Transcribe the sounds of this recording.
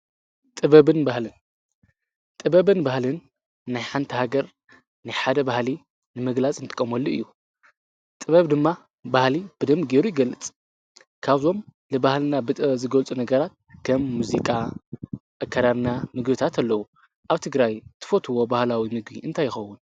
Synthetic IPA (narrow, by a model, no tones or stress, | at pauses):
t̪ʼɨβɐβɨnbahlɨn | tt̪ʼɨβɐβɨnbahlɨnː | ajħant̪ʰihaɡɐɾ | najħad̪ɐbahli | nɨmɨɡlat͡sʼɨnt̪ʼɨ̥kʼːɐmolːiɨ̰jːu | t̪ʼɨβɐβd̪ɨmːa | bahlib̥ɨd̪ɐmɡeɾujɪɡɐlːɨt͡sʼ | kʰaβzo̞m | lɨbahlɨnabɨt̪ʼɨzɨɡɐlt͡sʼunɐɡɐɾat̪̚kʰɐmːuzikʼa | ʔakʰːaɾaβnamɨɡbɨt̪ʰat̪ʰalːɐwu | ʔaβt̪ʰɨɡɾajt̪ʰɨ̥fot̪ʰɨwo̞bahlawimɨɡbiʔɨnt̪ʰajːɪxɐwːʊn